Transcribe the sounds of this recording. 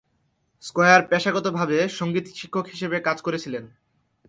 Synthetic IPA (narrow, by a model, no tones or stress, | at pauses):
skɔjaɾpɛʃaɡɔt̪obʱabeʃoŋɡit̪ʃi̥kʰːokɦiʃebekad͡ʑkoɾet͡ɕʰilen